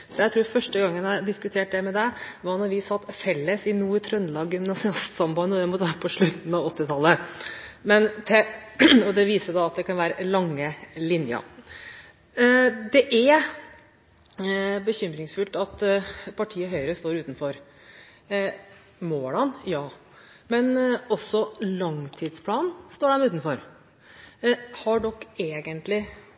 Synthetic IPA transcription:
fɔɾæt̪ʰɾuːɾfœʂʈəɡɑŋːənæd̪ɪskʉt̪ʰeːʈ̚d̪ɛmɛd̪ɛʋɑnɔɾʋɪsɑt̪ːfɛlːəsɪnuːɾt̪ʰɾœnlɑːɡɪmnɑsɪɑst̪sɑmbɑnːəɔd̪ɛmɔd̪ɛʋæːɾəpʰɔʂɭʉt̪n̩ɑʋɔt̪ːɪt̪ʰɑlːə | mɛnt̪ʰɛɔd̪ɛʋiːsəd̪ɑɑt̪̚d̪ɛkʰɑnʋæːɾəlɑŋːəlɪnjə̰ | d̪ɛʔæɾ | bəçʏmɾɪŋsfʉlt̪ɑt̪pʰɑʈʰiːəɦœʏəɾəst̪oːɾʉːt̪n̩fɔɾ | moːlɑnjɑː | mɛnɔsːɔlɑŋt̪ʰiːd̪spʰlɑːnn̩st̪oːɖɛnʉːt̪n̩fɔɾ | hɑɖɔkːeːɡənt̪lɪ

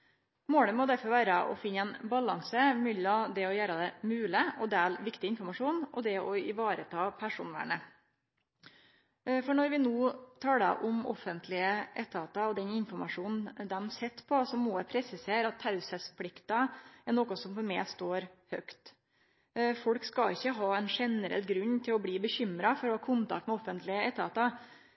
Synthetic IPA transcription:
moːɽəmɔd̪æɾfɔɾʋæːɾəʔɔ̰fɪnːɛɪnbɑlɑŋsəmʏlɑd̪ɛɔjæːɾəd̪ɛmʉːləɔd̪æːlʋɪkt̪ɪɪnfɔɾmɑʂuːnɔ̰d̪ɛɔɪʋɑːɾət̪ʰɑːpʰæʂuːnʋæ̰ɳə | fɔɳɔɾʋɪnuːt̪ʰɑːlə̰ʔʊmɔ̰fənt̪ʰlɪəʔɛt̪ʰːɑːt̪ɑɔd̪ɛnɪnfɔɾmɑʂuːnn̩d̪ɛmsɛt̪ːpʰɔsɔmːoɛpʰɾɛsɪseːɾɑt̪ʰːɑʉsəspʰlɪkt̪ɑɛɾnoːkɔsɔmfɔɾmɛɪst̪oːɾhœkt̪ | fɔlkskɑɪçːəɦɑːɛnʂɛnəɾɛ̰lːɡɾʉɲːt̪ʰɪlɔbliːbəçʏmɾɑfɔɾɔhɑːkʰʊnt̪ɑ̰kt̪mɛɔfənt̪lɪəɛt̪ʰːɑːt̪ɑ

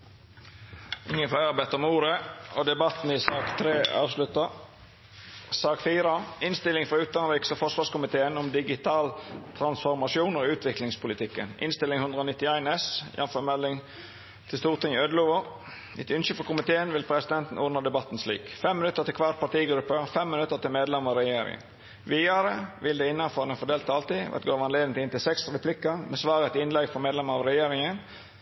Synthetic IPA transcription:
ɪŋːənflæɪɑɾbæɪt̪ɔmuːɾəɔd̪ɛbɑt̪n̩ɪsɑːkt̪ʰɾeːɑ̰ːʋslʉt̪ɑ | sɑːkfiːɾɑɪnst̪ɪlːɪŋfɾɑʉːt̪ɑnəɾiːksɔfɔʁʂʋɑːskʊmɪt̪ʰeːənʊmd̪ɪɡɪt̪ʰɑːlt̪ʰɾɑnsfɔɾmɑsɪuːnoːʉːt̪ʰʋɪklɪŋspʰʊlɪt̪ʰɪkːənʔɪ̰nst̪ɪlɪŋhʉnd̪ɾəɔːnɪt̪ːɪæɪnɛsjʔɛ̰nfəɾmɛlːɪŋ | t̪ʰɪlst̪uːʁt̪ɪŋɪød̪əluːʋɔ | ɪt̪ʉnɕəfɔkʊmɪt̪ʰeːənʋɪlpʰɾɛsɪd̪ɛnt̪n̩ʔʊd̪nəd̪ɛbɑt̪ːn̩slḭːkfɛmːɪnʉt̪ːəʁt̪ɪkʰʋɑt̪̚pʰɑʈ̪iːɡɾʉpːəɾfɛmːɪnʉt̪ːəʁt̪ɪlmeːd̪lɛməʁɑɾɛjeːɾɪ̰ŋə̰n | ʋiːɑɾəʋɪld̪ɛɪnːɑnfɔɾnəfɔɖ̪eːlt̪ɑlt̪iʋɑ̰t̪ɡoːʋɑnleːd̪ɪŋ̩t̪ɪnt̪ɪlsɛksɾɛpʰlɪkːəmʔɛsʋɑːɾət̪ɪɪnlɛɡfɔmeːd̪lɛməɑʋɾɛjeːɾɪŋən

